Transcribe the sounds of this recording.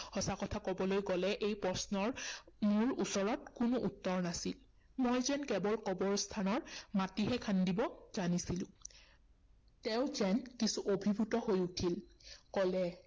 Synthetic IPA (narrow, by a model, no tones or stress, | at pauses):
hɔsakɔtʰakɔbɔlojɡɔlɛʔejpɹɔsnɔɹmuɹusɔɹɔtkunʊʔutːɔɹnasil | mojzɛnkɛbɔlkɔbɔɹstʰanɔɹmatiɦɛkʰandibɔz̥anisilʊ̃ | tɛʊ̃zɛnkisuʔobʱibʱutɔhojutʰilkɔlɛ